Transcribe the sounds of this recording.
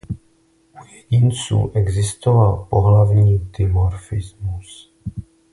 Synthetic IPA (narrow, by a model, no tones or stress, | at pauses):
jɛɟɪnt͡sṵːʔɛɡzɪst̪ovalpo̞ɦlavɲiːd̪ɪvoɾfɪzmus